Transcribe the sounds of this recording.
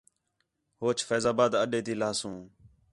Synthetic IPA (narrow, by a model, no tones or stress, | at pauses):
hoːt͡ʃfɛːzaːbaːd̪əɗeːt̪iːlaːsũː